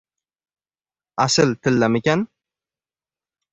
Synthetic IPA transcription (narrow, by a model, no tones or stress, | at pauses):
asɪlt̪ʰɪlːamekʲan